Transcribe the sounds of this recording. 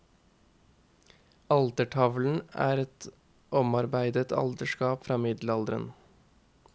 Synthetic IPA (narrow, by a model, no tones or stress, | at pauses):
ɑlt̪əʈʰɑʋln̩æ̰ːɾɛt̪ | ʔɔmɑɾbæɪd̪ət̪ʰɑ̰lt̪əʃkɑːpfɾɑːmɪd̪lɑld̪ɾə̰n